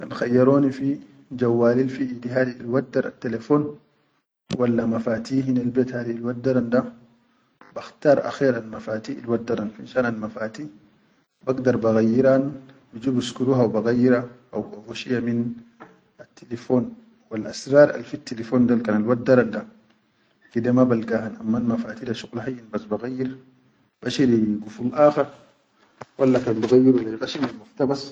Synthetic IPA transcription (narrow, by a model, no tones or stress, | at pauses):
kanxajːaɾoːnifi | d͡ʒawːaːlilfiid̪iɦaːd̪ilwad̪ːaɾa̰t̪ːelefoːn | walːamafaːt̪iːɦinalbeːt̪haːd̪ilwad̪ːaɾand̪a | baxt̪aːɾˤʔa̰xeːɾalmafaːt̪iːḭlwadːaɾanfinʃaːnalmafaːt̪iː | baɡd̪aɾˤbaɣajːiɾan | bid͡ʒubuskuɾuɦawbaɣajːiɾaʔa̰wafuʃijamin | at̪ʰːilefoːn | walʔasɾɑːɾˤʔa̰lfit̪ːilefoːnd̪alkanalwadːaɾanda | kidemabalɡahanʔamːalmafaːt̪idaʃuɣlhajːinbasbaɣajːiɾ | b̥aʃiɾiɡufulʔaːxaɾ | walːakanbaɣajːiɾwalːajɡaʃimalmaft̪abas